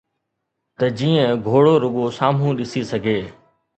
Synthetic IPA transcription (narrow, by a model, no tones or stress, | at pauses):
t̪ɐd͡ʒiːə̃ɡʱoːɽoːɾʊɠoːsaːm̤ũːɗɪsiːsɐɡʱeː